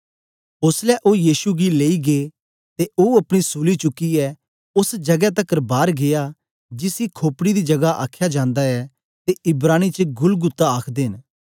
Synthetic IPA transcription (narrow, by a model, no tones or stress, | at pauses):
ʊslɛʔoːjiːsuɡileːiɡe | t̪eoːɐpɽ̃isuːlit͡ʃʊkːiɛ | ʊsd͡ʒɐɡɛt̪ɐkəɾbaːɾɡeja | d͡ʒɪsikʰoːpɽid̪id͡ʒɐɡaʔa̰ːkʰjad͡ʒãːnd̪aɛ | t̪eɪbɾaːñit͡ʃəɡʊlɡʊt̪ːaaːkʰd̪eːɦɪn